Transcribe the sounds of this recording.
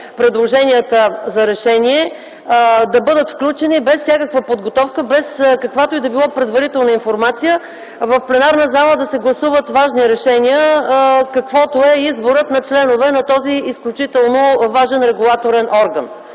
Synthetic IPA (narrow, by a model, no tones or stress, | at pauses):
pɾɛd̪lˠoʒɛniət̪əzɐɾɛʃɛniɛ | d̪ɐbɤd̪ət̪fklʲut͡ʃɛnibɛsːʲjakəkvəpod̪ɡot̪ɔfkəbɛskɐkvat̪oɛd̪ɐbilˠɔpɾɛd̪vɐɾit̪ɛlˠnəinfoɾmat̪sijə | vɐfplɛnaɾnəzalˠəd̪ɐsɛɡlˠɐsuvət̪vaʒniɾɛʃɛnʲiəkɐkvɔt̪oɛizboɾət̪nɐt͡ʃlɛnovɛnɐt̪ɔziisklʲut͡ʃit̪ɛlˠnovaʒɛnɾɛɡulˠat̪oɾɛnʔɔɾɡən